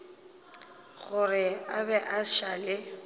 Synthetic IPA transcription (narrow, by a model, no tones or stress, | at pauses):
ɣʊrɪabɛʔaʃalɪ